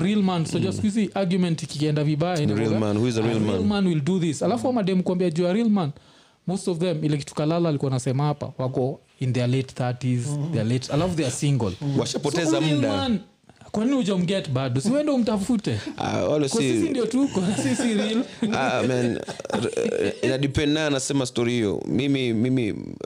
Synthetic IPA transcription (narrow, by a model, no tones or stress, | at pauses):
ɾilmansɔd͡ʒastkuiziʔaɡjumɛ̃ntikikɛndaviɓajanɾilmanhuizəɾilmalmanwilduðisalafuamaɗɛmukuambiad͡ʒuaɾilman | mostɔvðɛmilɛk̬i̥tʰu̥kalalaːlikuanasɛmahapa̰wakɔ | inðɛletθatizðɛaletalafuðɛasiŋɡɔ̰lwaʃapɔtɛzam̩lɗaman | kwaninihud͡ʒam̩ɡɛtbadusihuwɛndɛum̩tafutɛa̰walɛskɔisisindiɔtukɔsisiɾilamɛn | inaɗipɛnnajɛnasɛmastɔɾihiɔ̰mimimimḭ